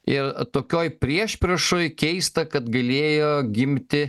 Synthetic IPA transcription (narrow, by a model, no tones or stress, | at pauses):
ɪrt̪oːkʲoːjpʲɾʲiɛʃʲpʲɾʲɛʃoːjkʲɛɪst̪ɐkɐt̪ɡɐlʲeːjoːɡʲɪmʲt̪ʲɪ